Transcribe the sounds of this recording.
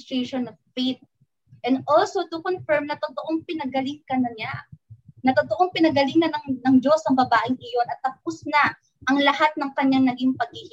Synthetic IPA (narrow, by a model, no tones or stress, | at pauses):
st̪ɹeʃonovfet̪̚ | ʔɛ̃nd̪ʔolsot̪ʊkonfɛɹmnɐt̪ot̪oʔoŋpɪnɐɡɐlɪŋkɐnɐɲanɐt̪ot̪oʔoŋpɪnɐɡɐlɪŋɐnɐŋnɐŋd͡ʒo̞sɐŋbɐbaːʔɪŋʔɪjo̞nʔɐt̪ːɐp̚ʊsnɐ | ʔɐŋlɐhat̪̚nɐŋkɐɲːaŋnɐɡiŋpɐɡ̚hɪhɪ